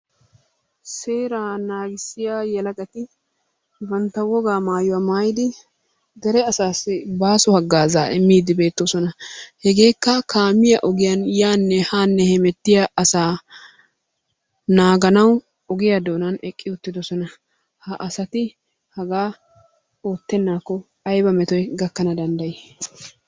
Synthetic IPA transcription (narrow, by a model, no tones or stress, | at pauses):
seːɾaːnaːɡɪsːɪjaːjɛlɐkʼɐt̪ɪ | bɐnt̪ːɐwɔɡaːmaːjʊwamaːjɪd̪ɪ | d̪ɛɾɛɐsaːsːɪbaːsɔhɐɡːaːzaːʔɪmːiːd̪ɪbe̞ːt̪ːosɔnɐhɛɡe̞ːkːɐkaːmɪjɐʔɔɡɪjɐnjaːnːɛhaːnːɛhɛmɛt̪ːɪjɐʔɐsaː | naːɡɐnɐw | ɔɡɪjɐd̪o̞ːnɐnɛkʼːɪʊt̪ːɪd̪ɔsɔnɐ | hɐʔɐsɐt̪ɪ | hɐɡaː | o̞ːt̪ːɛnːaːkːɔ | ɐjbɐmɛt̪ɔjɡɐkːɐnɐd̪ɐnd̪ɐjɪ